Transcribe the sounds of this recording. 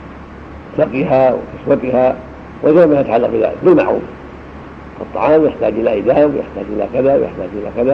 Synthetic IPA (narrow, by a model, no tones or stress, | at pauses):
saqːɪɦawɪ̰kɪswat̪ɪha | wʔɪd͡ʒaːmajat̪aʕalːaq̚bɪða̰ːlɪ̰kbɪlma̰ʕṵːn | fɑt̪ˤːɑ̰ʕɑːmjaħt̪aːd͡ʒʔɪlaʔajd̪aːmja̰ħt̪aːd͡ʒʔɪla̰kaðawjʔa̰ħt̪aːd͡ʒʔɪlakaða